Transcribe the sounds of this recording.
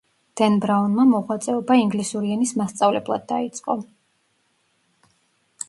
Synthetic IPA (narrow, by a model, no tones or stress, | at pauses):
d̪̥ɛnbɾaunmamɔʁwat̪sʼɛɔbaiŋɡlisuɾianismast̪sʼavlɛblˠad̪̚ːait̪sʼqʼɔ